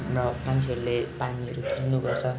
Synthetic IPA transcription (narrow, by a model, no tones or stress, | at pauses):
rʌmant͡sʰeɦʌɾulepaniʌɾukʰirnuɡʌrt͡sʰʌ